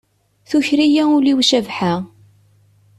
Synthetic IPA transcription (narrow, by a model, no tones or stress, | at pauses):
θuçɾijæʊliwʃævħa